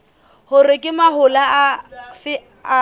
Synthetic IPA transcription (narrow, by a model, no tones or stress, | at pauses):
hʊrɪkʼɪmaɦʊlafɪ